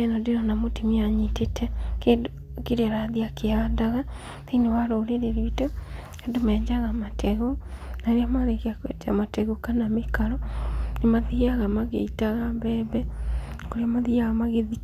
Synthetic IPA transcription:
nɔdeɾɔnamotemiaɲitetʰɛkeo | keɾeaɾaðiakeandaɣa | ðenewaɾoːɾeɾeɾito | endomɛːɲd͡ʒaɣamatʰɛɣonaɾamaɾekeakwḛta̰matɛɣokanamekaɾɔnemaðiaɣamaɣḛitaɣambɛːβɛkoɾeamaðiaɣamaɣeði

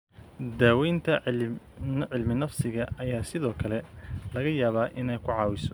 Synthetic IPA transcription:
d̪aːwɛjnt̪ʰɐɪ | nʕɪlmɪnɐfsɪɣɐɐjaːsɪðɔːkʰɐlɛlɐɣɐjaːβaːʔɪnɛjkʰʊʕɑːwɪsɔ̥

